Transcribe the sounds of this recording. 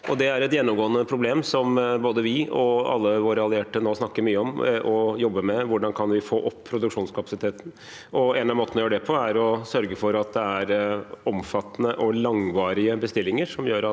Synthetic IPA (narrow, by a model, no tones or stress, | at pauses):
ʔɔd̪ɛæɾɛt̪jɛnːɔmɡoːənəpʰɾʊbleːmsɔmboːd̪əʋɪɔɑ̰lːəʋoːɾəɑlɪeːʈənoːsnɑkːəɾmyːəɔmʔɔjɔbːəmɛʋʊɖɑnkʰɑnʋɪfo̰ːʔɔpʰːɾʊd̪ʉkʂuːnskʰɑpɑ̥sɪt̪ʰeːt̪n̩ | ɔeːnɑmoːt̪nɔjøːɖɛpʰɔæɾɔsœɾɡəfɔɾɑt̪̚d̪ɛæɾɔmfɑt̪ːənəʔɔlɑŋʋɑːɾɪəbəst̪ɪlːɪŋəɾʂɔmjøːɾɑ